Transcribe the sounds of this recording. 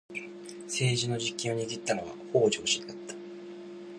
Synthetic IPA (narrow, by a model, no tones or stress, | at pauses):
se̞ːʑino̞ʑikʲːĩɰ̃o̞ɲ̟iɡʲit̪ːanoβa̰ho̞ːd͡ʑo̞ːɕĩnd̪at̪ːḁ